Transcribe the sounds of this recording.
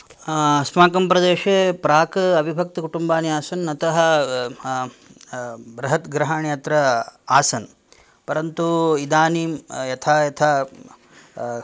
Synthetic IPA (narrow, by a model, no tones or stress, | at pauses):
ɐsmaːkɐmpɾɐd̪eːʃepɾaːkɐɐbʱibʱɐk̚t̪ɐkuʈumbaːnjaːsɐnɐt̪ɐɦɐ̆ | bɾɐɦɐt̪ɡɾɐɦaːɳjɐt̪ɾɐaːsɐn | pɐɾɐnt̪uid̪aːniːmjɐt̪ʰaːjɐt̪ʰaː